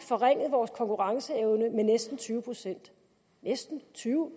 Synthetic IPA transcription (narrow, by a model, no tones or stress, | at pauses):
fɒ̽ʁeŋ̰ð̞̩ˠʋɒːskʰɒ̽ŋkʰuʁɑ̈ŋsəeʊnəmenesd̥n̩t͡sʰyːʊəpʰʁosen̰d̥ | nesd̥n̩t͡sʰyːʊ